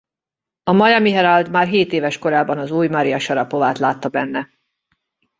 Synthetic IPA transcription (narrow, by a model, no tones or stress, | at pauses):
ɒmɒjɒmiɦɛɾɒld̪maːrɦeːt̪eːvɛʃko̞ɾaːbɒnɒzuːjmɒɾijɒʃɒɾɒpo̞vaːt̪laːt̪ːɒbɛnːɛ